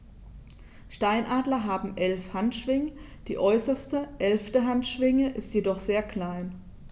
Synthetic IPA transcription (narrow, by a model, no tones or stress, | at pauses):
ʃtaɪnʔaːdlɐɦaːbm̩ʔɛlfhantʃv̥ɪŋə | d̥iːʔɔʏsɐstəʔɛlftəɦantʃv̥ɪŋəʔɪstjedɔχz̥eːɐkl̥aɪn